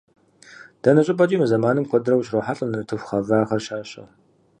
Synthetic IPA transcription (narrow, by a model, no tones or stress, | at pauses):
d̥ɐnɐɕʼɪpʼɐt͡ʃʼiːmɨzɐmaːnɨmkʷʰɔdɨrɐwɕroħaɬʼɐnɨnɨtʰɨfʷχɐvaːχɐrʃaːɕʼɐ̰